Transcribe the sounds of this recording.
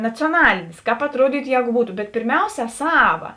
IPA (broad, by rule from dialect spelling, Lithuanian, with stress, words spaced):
nɐt͡sʲoːˈnɑːlʲeːnʲeːs ˈkɑːp ɐtˈruɔdʲiːtʊ ˈjɛːɡʊ ˈbuːtʊ bʲɛt pʲɪrʲˈmʲɛʊsʲɛ ˈsɑːʋɐ